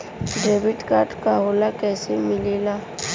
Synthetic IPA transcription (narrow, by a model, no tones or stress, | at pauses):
ɖeːbɪʈkaːɾʈkaɦoːlakɛːsemɪlelaː